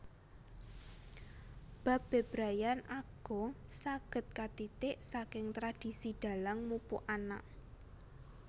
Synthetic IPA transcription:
b̥a̤pbb̥e̤b̥ɾajanaɡ̥ɔ̤saɡ̥ə̤t̪̚kat̪it̪ɪʔsakɪŋt̪ɾad̥i̤sid̪̥a̤laŋmupṵʔana̰ʔ

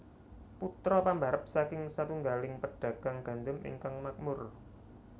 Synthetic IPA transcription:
put̪ɾɔpambaɾəp̚sakɪŋsat̪uŋɡalɪŋpəɖ̥a̤ɡ̥a̤ŋɡ̥a̤nd̪ʊmɪ̰ŋkaŋmak̚mʊr

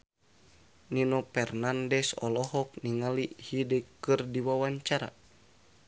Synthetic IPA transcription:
ninɔpɛrnandɛsɔ̰lɔɦɔk̚niŋalihidekɨrdiwawaɲt͡ʃaɾa̰

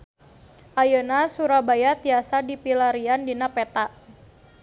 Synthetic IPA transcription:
ʔajənasuɾabajat̪iasadipilaɾiandinapɛt̪aʔ

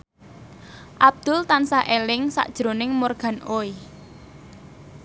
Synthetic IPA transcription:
ʔab̚d̪̥ʊ̤lt̪ansaʔelɪŋsa̰ʔd̥ʒ̥ɾo̤nɪŋmorɡ̥ä̤nʔoi

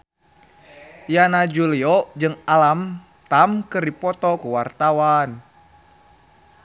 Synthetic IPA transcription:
janad͡ʒuliɔd͡ʒɨŋalam | t̪amkɨrdipɔt̪ɔkuwart̪awan

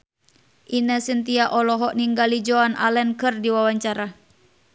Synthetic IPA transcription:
ʔinasənt̪iaʔɔlɔɦɔʔniŋɡalid͡ʒɔanʔa̰lɛnkɨrdiwawaɲt͡ʃaɾa

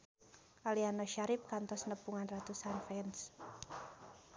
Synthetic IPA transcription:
ʔalianɔʃaɾɪp̚kant̪ɔsnəpuŋanrat̪usanfɛns

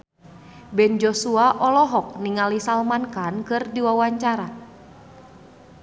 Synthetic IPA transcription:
bɛnd͡ʒɔsuaʔɔlɔɦɔk̚niŋalisalmankankɨrdiwawaɲt͡ʃaɾa

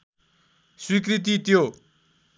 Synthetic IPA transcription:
swik̬rit̪̬it̪jo

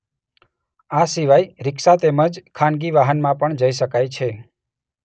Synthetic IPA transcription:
asiʋajɾɪkʃat̪eməd͡ʒkʰãnɡiʋaɦənmãpəɳd͡ʒəiʃəkajt͡ʃʰe

